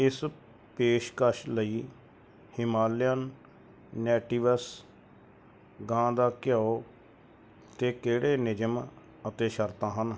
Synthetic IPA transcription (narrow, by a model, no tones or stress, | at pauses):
ɪs | peːʃkəʃləiː | hɪmaːljənː | ɛːʈiːʋəs | ɡãːd̪aːkɪjaːoː | t̪eːkeːɽeːnɪd͡ʒəm | ət̪eːʃəɾt̪ãːɦən